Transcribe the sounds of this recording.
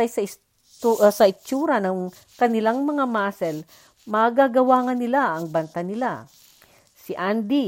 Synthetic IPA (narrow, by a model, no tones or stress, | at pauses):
ajsɐɪs | sɐʔɪt͡ʃːuːɾɐnɐŋ | kɐnɪlaŋmɐŋamaːsɛl | maɡaɡɐwaːŋɐnːɪlaʔɐŋbɐnt̪anɪla | sɪʔand̪i